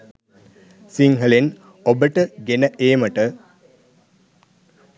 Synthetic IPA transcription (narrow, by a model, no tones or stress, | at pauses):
siŋɦəlen | obəʈəɡenəʔeːməʈə